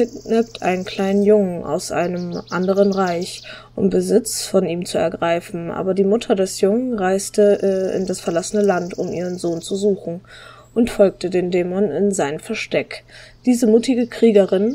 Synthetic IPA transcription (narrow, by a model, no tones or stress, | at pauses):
ɪnɛp̚tʰʔa̰ɪnənkʰl̥aɪnənjʊŋənʔa̰ʊsʔa̰ɪnəmʔandəʁ̞ənʁaɪçʔʊ̰mbəzɪt͡sfɔniːmt͡suɛ̰ɐɡʁaɪfn̩ʔa̰ːbɐdiːmʊtʰɐdɛsjʊŋənʁaɪstəʔɪ̰ndasfɛɐlasənəlantʰʊmʔiːʁənzoːnt͡suzuːxn̩ | ʔʊntfɔlk̚tədeːndɛːmɔnɪnzaɪnəmfɛɐʃtɛkd̥iːzəmuːtɪɡəkʁ̥iːɡəʁɪn